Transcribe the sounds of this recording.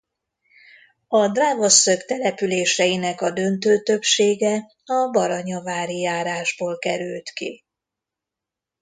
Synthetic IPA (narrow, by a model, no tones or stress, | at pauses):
ɒd̪raːvo̞sːøkt̪ɛlɛpyleːʃɛjinɛkɒd̪ø̞nt̪øːt̪ø̞pʃeːɡɛ | ɒbɒɾɒɲɒvaːɾijaːɾaːʒboːlkɛɾylt̪kḭ